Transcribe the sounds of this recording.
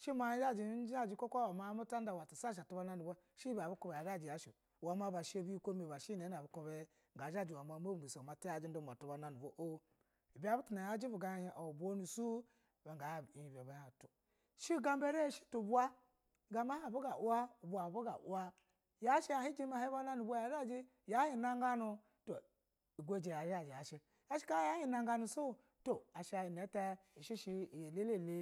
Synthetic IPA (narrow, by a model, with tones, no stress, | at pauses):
ʃi˦ma˨i˦d͡ʒa˦d͡ʒi˨˦a˦˨d͡ʒi˨ko˦kʷa˦wa˨ma˨˦mo˦ta˦n˦da˨wa˨ta˨sa˦ʃ̬a˨tu˨˦ba˦na˦nu˨ba˦ | ʃi˦ba˨bu˦ko˦be˨a˨ɡa˦˨d͡ʒi˨ja˨˦ʃi˨ | wa˨˦m˦a˦ba˨ʃo˦bi˦ko˦me˨ba˨ʃi˦ne˨˦na˨bu˦ko˨be˦˨ | ɡa˨d͡ʒa˦˨d͡ʒi˨wa˨m˨a˨˦mo˦˨u˨sma˨te˦a˨d͡ʒi˦n˦o˦˨m˨a˨tu˨˦ba˨na˨nu˨bo˦ʔo˦ | i˨bi˦a˦bu˦tu˨na˨ja˦d͡ʒi˦bu˨ɡa˨˦˨ʔo˨bʷo˦nu˨su˦˨ | ba˨ŋɡa˨bi˨i˨be˨ba˨˦ja˨tu˨ | ʃi˦ɡa˦mbe˦ɾe˦˨ʃi̥˦tu˨bu˦a˦˨ | ɡa˨m˦a˦a˨bu˦ɡa˨ʔu˦a˦u˨bu˨a˨bu˦ɡa̰˨ʔṵ˦a˦ | ja˦ʃi˦a˨hi˦d͡ʒi˦ma˨hi˦ba˦na˦nu˨ba˦ja˨˦ɾa˦d͡ʒi˦ | ja˦hi˨na˦ŋɡa˦nu˨ | to˨ | i˨ɡʷe˦˨d͡ʒi˨ja˨ɾi˦a˨d͡ʒi˨a˨ʃi˦ | ja˦ʃi̥˦ka˦ja˦hi˦na˨ŋɡa˦nu˨so˦˨ | to˨a˨ʃi˦a˨ji˨ne˨˦te˦ | i˨ʃi˦ʃi˦˨jle˦le˦˨le˦